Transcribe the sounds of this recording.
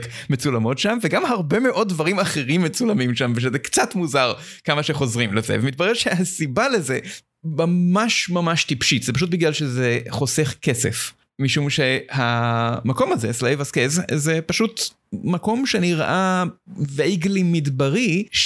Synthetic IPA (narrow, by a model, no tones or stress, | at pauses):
kmet͡sulamo̞tʃamveɡamhaʁbemeʔo̞d̚dvaʁimaχeʁimːet͡sulamimʃamveʃ̬ezɛkt͡sat̪muzaʁ | kamaʃeχo̞zʁimlezḛvemit̪̚bɐʁeʁʃeasibaleze | mamaʃmamaʃt̪ipʃitzepaʃut̚biɡlalʃezeχo̞seχke̞sḛf | miʃumʃehamako̞mazeslejvaskezzepaʃut | mako̞mʃeniʁʔavejɡlimid̪baʁiʃ